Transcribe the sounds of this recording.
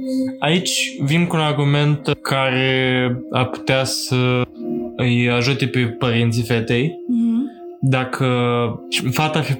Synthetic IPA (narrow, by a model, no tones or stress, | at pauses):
ait͡ʃʲvinkuːnarɡume̞nt̪kʰaɾeea̰rpu̥t̪easə | ɨjaʒut̪e̞pe̞pəɾint̪sifet̪e̞j | d̪akʰət͡ʃfat̪afi